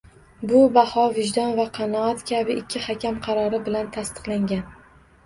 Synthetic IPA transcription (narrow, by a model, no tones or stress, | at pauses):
bʊbahɒvɪʒd̪ɒnvaqʰɑnɒɒt̪kʲʰabɪɪkʲʰːɪhakʲamqʰɑɾɒɾɪbɪlant̪ʰast̪ɨ̥qlˠaŋɡʲan